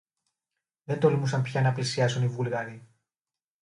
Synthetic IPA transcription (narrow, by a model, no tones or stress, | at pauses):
ðe̞nt̪o̞lmusɐmpçɐnɐplisiɐsunivulɣɐɾi